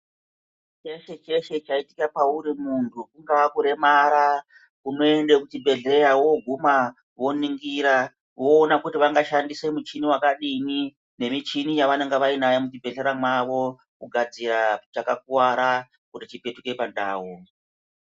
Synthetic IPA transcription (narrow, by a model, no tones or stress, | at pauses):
t͡ʃe̞ʃe̞t͡ʃe̞ʃe̞t͡ʃaitikapauɾimuntʰukuŋɡakuɾe̞maɾa | kuno̞e̞ndekutibʱe̞ɮe̞ɾawo̞ɡʱuma | ʋo̞niŋɡiɾa | ʋo̞ːnakutiʋaŋɡaʃandise̞mut͡ʃiniwakaɗimi | ne̞mit͡ʃinijaʋane̞ŋɡeʋainajemutibʱe̞ɮe̞ɾamwaʋo̞ | kuɡʱad͡zirat͡ʃakak̚uwaɾa | kutit͡ʃipe̞tuke̞panda̰ːwo